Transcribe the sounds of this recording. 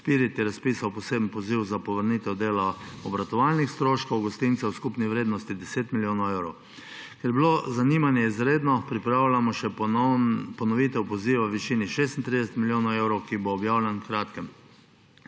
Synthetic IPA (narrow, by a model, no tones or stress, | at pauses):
piːɾit̪ɛɾaspisawpɔseːbn̩pɔziwzapɔʋəɾnit̪ɛwd̪eːlaɔbɾat̪ɔʋalnixst̪ɾoːʃkɔwɡɔst̪int̪sɛwskupniʋɾeːd̪nɔst̪id̪ɛseːt̪miljoːnɐwewɾɔw | kɛɾjɛbilozaniːmanjɛizɾeːd̪nɔpɾipɾaːwlʲamɔʃɛ | pɔnɔʋit̪ɛwpɔziʋaʋiʃiːniʃeːst̪nt̪ɾid̪ɛsɛt̪miljoːnawewɾɔwkiboːbjaːwlʲankɾaːt̪kɛm